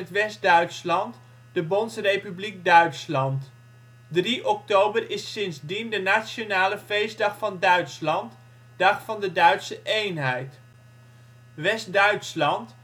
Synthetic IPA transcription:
ətʋɛsdœɥtslɑnt | d̥əbɔnsrejpyblik̚dœɥtslɑnt | driʔɔk̚towbərɪsɪnzdindənaːt͡ʃonaːləfejzdɑχfɑndœɥtslɑnt | dɑχfɑndədœɥtsəʔejnɦɛjt | ʋɛsdœɥtslɑnt

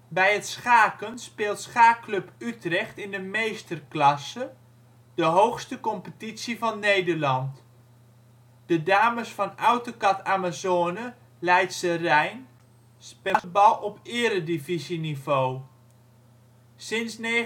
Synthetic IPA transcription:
bɛjətsχaːkənspɪːlˠtsχaːklɵpytrɛχtɪndəmejstərklɑsə | dəɦowxstəkɔmpətitsivɑnːejdərlɑnt | d̥ədaːməsfɑnɔwtokɑtaːmazoːnə | lɛjtsərɛjn | spɛbɑlˠɔpɪəɾədivizinivow | sɪnsne

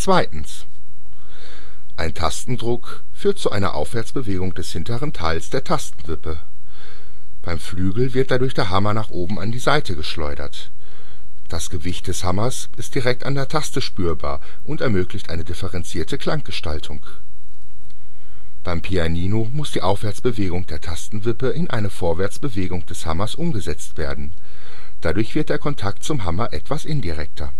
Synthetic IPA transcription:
t͡sv̥aɪtn̩s | ʔaɪntʰastn̩dʁʊk | fyːɐt̚t͡suʔaɪnɐ̰ʔa̰ʊfv̥ɛɐt͡sb̥əveːɡʊŋd̥ɛshɪntəʁ̞əntʰaɪlsd̥eːɐtʰastn̩vɪpə | b̥aɪmflyːɡl̩vɪɐt̚d̥adʊɐçd̥eːɐɦamɐnaːχʔoːbm̩a̰ndiːzaɪtʰəɡəʃlɔ̰ʏdɐ̰t | d̥asɡ̥əvɪçt̚d̥ɛshamɐs | ʔɪst̚d̥iʁɛk̚tandeːɐtʰastəʃpyːɐba̰ːɐ | ʔʊntɛɐmøːklɪçtʔaɪnədɪfəʁɛnt͡siːɐtəkʰl̥aŋɡ̥əʃtaltʰʊŋ | b̥aɪmpʰianiːnomʊsd̥iːʔaʊfv̥ɛɐt͡sb̥əveːɡʊŋd̥eːɐtʰastn̩vɪpəɪnʔaɪnəfoːɐvɛɐt͡sb̥əveːɡʊŋd̥ɛshamɐsʔʊmɡəzɛt͡stv̥eːɐdn̩ | d̥adʊɐçv̥ɪɐt̚d̥eːɐkʰɔntʰaktt͡sʊmɦamɐʔɛtv̥asʔɪndiʁɛk̚tʰɐ

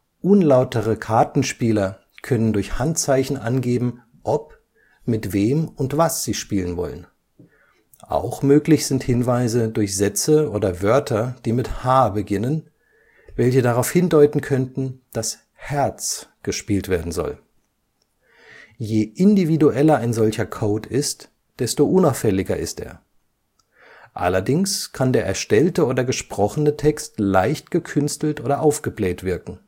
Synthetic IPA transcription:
ʔʊnlaʊtʰəʁəkʰaɐtn̩ʃpiːlɐ | kʰœnəndʊɐçhantt͡saɪçn̩ʔa̰nɡeːbm̩ | ʔɔp | mɪtv̥eːmʊntv̥asz̥iːʃpiːlənvɔ̰lə̰n | ʔa̰ʊxmøːklɪçz̥ɪnthɪnvaɪzədʊɐçz̥ɛt͡səʔoːdɐvœɐtʰɐd̥iːmɪthaːbəɡɪnən | vɛlçədaʁaʊfhɪndɔʏtn̩kʰœntn̩d̥as | hɛɐt͡sɡ̥əʃpiːltv̥eːɐdn̩zɔ̰l | jeːʔɪndividuʔɛlɐaɪnzɔlçɐkʰoʊtʰɪst | d̥ɛstoʔʊnaʊfɛlɪɡɐɪ̰stḛːɐ | ʔa̰lɐdɪŋskʰandeːɐʔɛɐʃtɛltəoːdɐɡəʃpʁ̥ɔχənətʰɛkstlaɪçt̚ɡ̥əkʰʏnstl̩tʔoːdɐʔaʊfɡ̥əblɛːtv̥ɪɐkŋ̩

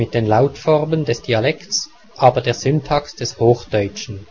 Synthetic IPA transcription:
mɪt̚d̥eːnlaʊtfɔʁməndɛsd̥ialɛkts | ʔaːbɐdeːɐz̥ʏntʰɑksd̥ɛshoːxd̥ɔʏt͡ʃn̩

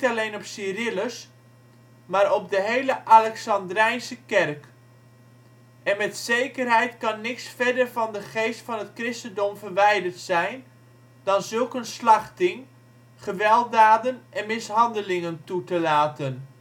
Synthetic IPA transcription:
talejnɔpsirɪləs | maːɾɔp̚dəɦejləʔalɛksɑndrɛjnsəkɛrk | ɛnmɛtsejkərɦɛjtkɑnːɪksfɛdərvɑndəχejstfɑnətkrɪstəndɔmvərʋɛjdərtsɛjn | dɑnzɵlˠkənslɑχtɪŋ | χəʋɛlˠt̚daːdənʔɛnmɪsɦɑndəlɪŋəntutəlaːtən

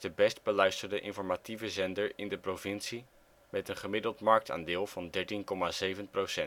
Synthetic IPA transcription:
dəbɛst̚bəlœɥstəɹdəʔɪ̰nfɔɹmativəzɛndəɹɪndəprovɪnsi | mɛtənχəmɪdəlˠtmɑɹk̚ta̰ːndɪːlˠvɑndɛɹtinkɔmazejvənprosɛn

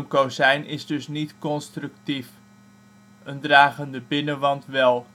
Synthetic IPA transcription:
mkosɛjnɪsdɵsnitkɔnstrʉktif | əndraːχəndəbɪnəʋɑntʋɛlˠ

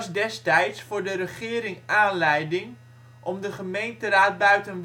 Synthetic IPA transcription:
sdɛstɛjtsfʊːɹdərəχɪːɾɪŋaːnlɛjdɪŋ | ʔɔmdəχəmejntəraːt̚bœɥtənʋ

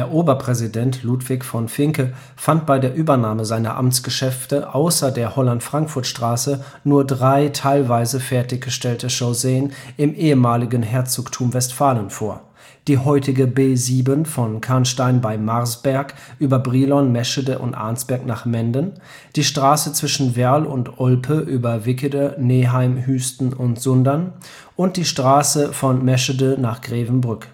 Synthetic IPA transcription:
d̥eːɐʔoːbɐpʁ̥ɛzidɛntʰluːtv̥ɪçfɔnfɪŋkə | fant̚b̥aɪdeːɐʔyːbɐnaːməzaɪnɐ̰ʔa̰mt͡sɡ̥əʃɛftəʔaʊsɐdeːɐhɔlantfʁ̥aŋkfʊɐtʃtʁ̥aːsə | nuːɐdʁaɪtʰaɪlvaɪzəfɛɐtɪçɡ̥əʃtɛltəʃozeːənɪmʔeːəmaːlɪɡənɦɛɐt͡soːktʰuːɐmvɛstfaːlənfoːɐ | d̥iːhɔʏtɪɡəbeːziːbənfɔnkʰanʃtaɪnbaɪmaʁsb̥ɛɐk | ʔyːbɐbʁiːlɔnmɛʃədəʔʊ̰ntʔa̰ɐnsb̥ɛɐknaːχmɛndən | d̥iːʃtʁ̥aːsət͡sv̥ɪʃn̩vɛɐlʊntʔɔlpʰəʔyːbɐvɪkədəneːɦaɪmhyːstn̩ʊntz̥ʊndɐn | ʔʊnt̚d̥iːʃtʁ̥aːsəfɔnmɛʃədənaːχɡ̥ʁeːvn̩bʁʏk

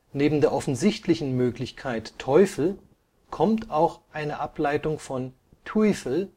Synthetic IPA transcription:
neːbm̩deːɐʔɔfn̩zɪçtlɪçn̩møːklɪçkʰaɪtʰːɔʏfl̩ | kʰɔmtʰaʊxʔaɪnəʔaplaɪtʊŋfɔn | tʰifl̩

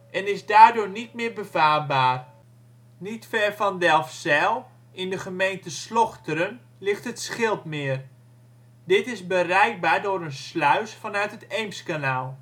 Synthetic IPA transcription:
ʔɛnɪzdaːrdʊːnit̚mɪːɹbəvaːrbaːr | nitfɛɹfɑndɛlˠfsɛlˠ | ʔɪndəχəmejntəslɔχtəɾən | lɪχtətsχɪlˠpmɪːər | dɪtɪszbərɛjk̚baːrdʊːɾənslœɥsfɑnœɥtɦətejmskanaːlˠ

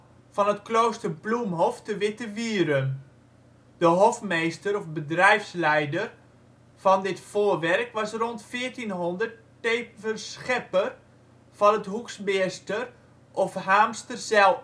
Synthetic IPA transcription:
fɑnətkloːstərblumɦɔftəʋɪtəʋiːəɾən | d̥əɦɔfmejstəɾɔfbədrɛjfslɛjdər | fɑndɪtfoːərʋɛrkʋɑsrɔntfɪːərtinɦondərtː | eːvərsxɛpər | fɔnətɦuksmɪstər | ʔɔfɦaːmstərsɛlˠ

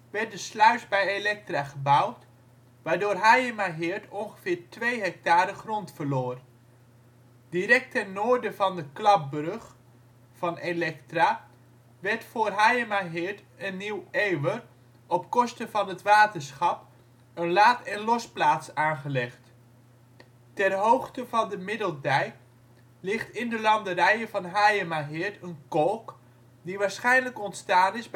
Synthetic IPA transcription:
ʋɛɹt̚dəslœɥzbɛjelɛk̚traːχəbʌwt | ʋaːɹdoːrɦajəmaɦɪɹtɔnχəv̥ɪːɹtʋejɦɛk̚taːɾəχrɔntfəɹloːr | diɾɛk̚tɛnnːoːɹdəvɑndəklɑp̚brøχ | fɑnelɛktra | ʋɛɹtfʊːrɦajəmaɦɪɹt | ənːiwejwər | ɔpkɔstəvɑnɦətʋaːtəɹsχɑp | ənlaːtɛnlɔsplaːtsaːnχəlɛχt | tɛrɦowχtəvɑndəmɪdəlˠdɛj | lɪχtɪndəlɑndəɾɛjəvɑnɦajəmaɦɪɹtənkɔlˠk | diʋaːɹsχɛjnləkɔntstaːnɪz

